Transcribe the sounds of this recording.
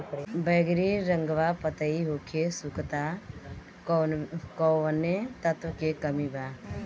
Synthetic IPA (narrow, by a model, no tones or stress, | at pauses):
bəɡɾiɾəŋɡʋapət̪əiɦokʰesukt̪a | kɔʋənːet̪ət̪ʋəkekəmiba